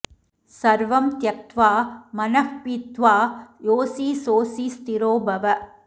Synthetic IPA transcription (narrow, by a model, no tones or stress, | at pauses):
sɐɾʋɐmt̪jɐt̪ʋaːmɐnɐkpit̪ʋaːjoːsiːsoːsist̪iɾoːbʱɐʋɐ